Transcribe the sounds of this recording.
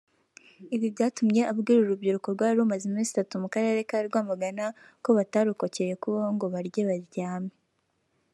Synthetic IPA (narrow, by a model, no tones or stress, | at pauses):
iβiβɟaːtumɲe̞ʔabɡiːɾuɾubɟiɾuko̞ɾɡwaːɾumazemiːzitatumukaɾe̞ɾe̞kaɾiɾɡwaːmaɡana | ko̞βataɾuko̞ce̞je̞kuβoŋɡo̞βaɾjeβaɾɟaːme